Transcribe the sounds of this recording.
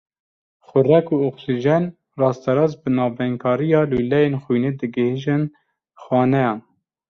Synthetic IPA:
xʊrɛkuːoksiʒɛn | rɑːst̪ɛɾɑːzbɨnɑːvɛŋkʰɑːɾijɑːlujlɛjenxujned̪ɨɡɨheʒɨn | xwɑːnɛjɑːn

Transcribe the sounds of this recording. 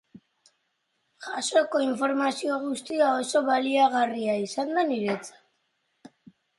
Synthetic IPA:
ʝaso̞ko̞iɱfo̞ɾmasio̞ɣ̞ust̪iao̞so̞βaliaɣ̞ariaisand̪aniɾe̞t͡sḁt̪

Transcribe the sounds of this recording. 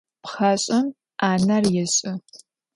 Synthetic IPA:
pχɐɕʼɪm | ʔaːnɐrjɪɕʼɪ

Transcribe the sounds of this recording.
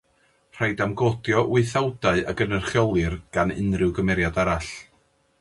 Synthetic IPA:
r̥ajdamɡodjɔʔwɪɨθawdaɨaɡənərχjɔlˠɨrɡ̥anɪnrɨwɡəmɛɾjadaɾaɬ

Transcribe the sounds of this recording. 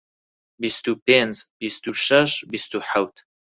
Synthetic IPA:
bist̪upenzbist̪uʃɐʃbist̪uħawt̪ʰ

